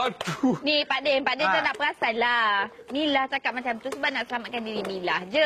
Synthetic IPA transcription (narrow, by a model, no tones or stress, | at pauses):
at̪unĩpadɛnpadɛnt̪ənaʔpəɾasalanilaht͡ʃakat̪̚mãt͡ʃamt̪usəbanaʔsəlamat̪̚kandiɾinilahd͡ʒə